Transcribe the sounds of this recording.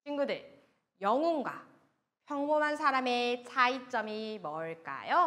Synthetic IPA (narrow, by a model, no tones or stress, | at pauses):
t͡ɕʰiŋɡudɯɭ | jʌŋuŋɡwa̰ | pʰjʌŋbonɦansʰaɾame̞t͡ɕʰait͡ɕ͈ʌmimʌɭk͈a̰jo